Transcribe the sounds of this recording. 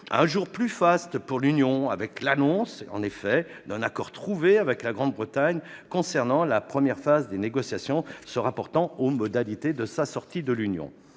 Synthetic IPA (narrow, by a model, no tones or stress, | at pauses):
ɛ̰̃ʒuʁplyfast̪puʁlynjɔ̃avɛklanɔ̃sɑ̰̃nefɛd̪ɛ̃nakɔʁt̪χuveavɛklaɡʁɑ̃d̪bʁət̪aɲkɔ̃sɛʁnɑ̃lapχəmjɛʁfazd̪eneɡɔsjasjɔ̃səʁapɔʁt̪ɑ̃omɔd̪alit̪ed̪əsasɔʁt̪id̪əlynjɔ̰̃